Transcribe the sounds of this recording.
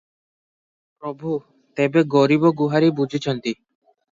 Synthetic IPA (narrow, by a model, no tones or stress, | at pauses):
pɾɔbʱu | t̪ebeɡɔɾibɔɡuɦaɾibud͡ʒʱit͡ʃʰɔnt̪i